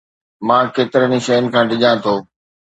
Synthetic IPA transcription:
mãːkeːt̪ɪɾəniʃɐjənɪ̆kʰãːɖɪʄãt̪ʰoː

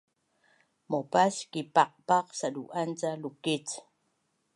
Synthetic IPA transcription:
mopaskipaq̚paqsaduʔant͡salukit͡s

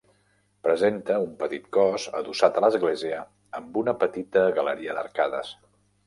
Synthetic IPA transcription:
pɾəzent̪əumpət̪it̪̚kɔzə̰ðusat̪ələzɣleziəː | mbunəpət̪it̪əɣələɾiəd̪ə̰rkaðə̰s

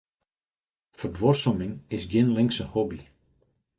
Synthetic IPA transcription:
fərdʋorsɔmɪŋɪsɡjɪnlɪŋsənhɔbi

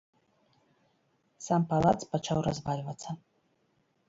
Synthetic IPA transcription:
sampalˠat̪spat͡ʂawra̰zvalʲvɐt̪sɐ

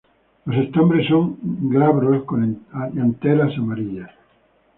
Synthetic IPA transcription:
osest̪ambɾesoŋɡɾaβɾoskonaʎant̪elasamaɾiʎa

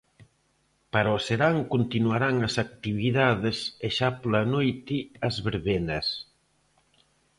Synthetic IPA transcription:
paɾaoseɾaŋkont̪inuaɾaŋɐsak̚t̪iβiðaðeseʃaplanojt̪iɐzβeɾβenɐs

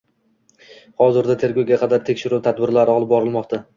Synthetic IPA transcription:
hɒzɪɾd̪at̪ʰe̞ɾɡowɡʲaqʰɑd̪aɾt̪ʰekʲʃɪɾuwt̪ʰad̪̚bɪɾlaɾɪɒlˠɪp̚bɒɾɪlˠmɒqt̪ʰa

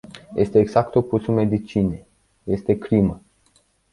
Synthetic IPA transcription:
jʔe̞st̪eːɡzakt̪opusume̞d̪it͡ʃine | je̞st̪e̞kɾimə

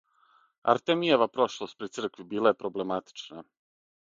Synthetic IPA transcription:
a̰ɾt̪emieʋapɾo̞ʃlˠost̪̚pɾit̪sr̩kʋibiːlˠaje̞pɾo̞ble̞mat̪i̥t͡ʂna

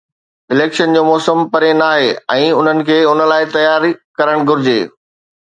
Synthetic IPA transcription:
ɪleːkʃənd͡ʑoːmɔːsəmpɐɾenaːɦeːɛ̃ːʊn̤ənɪ̆kʰeːʊnə̆laːɪt̪ɐjaːɾikɐɾəɽ̃ɡʱʊɾɪd͡ʑḛː

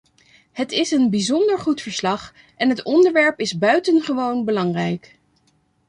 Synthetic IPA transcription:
hətɪsənbizɔndəɹχutfəɹslɑχ | ʔɛnɦətɔndəɹʋɛɹpɪzbœɥtənχəʋownbəlɑŋrɛjk

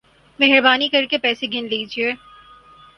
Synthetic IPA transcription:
mɛɦɪɾbaːnikɐɾkepɛːseɡʱɪnleːd͡ʒieː

